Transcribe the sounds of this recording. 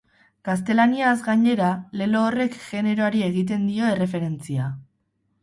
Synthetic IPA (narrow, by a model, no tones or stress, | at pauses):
kast̪e̞laniazɡaɲe̞ɾale̞lo̞ːre̞kʝe̞ne̞ɾo̞aɾie̞ɣ̞it̪̬e̞nd̪io̞e̞re̞fe̞ɾe̞nt͡sia